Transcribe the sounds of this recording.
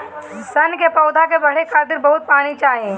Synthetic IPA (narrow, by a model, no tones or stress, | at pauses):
sɐnkepɐʊd̪ak̬ebɐɽ̤ekʰaːt̪ɪɾbɐɦʊt̪̚paːñit͡ʃaːɦiẽː